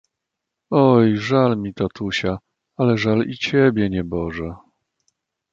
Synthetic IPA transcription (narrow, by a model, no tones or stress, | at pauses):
ɔjʐalmʲit̪at̪uɕa | alɛʐalit͡ɕɛbʲjɛɲɛbɔʐɛ